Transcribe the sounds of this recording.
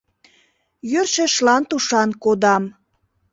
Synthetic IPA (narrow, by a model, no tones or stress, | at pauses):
jørʃeʃlɑnt̪uʃɑnkod̪ɑm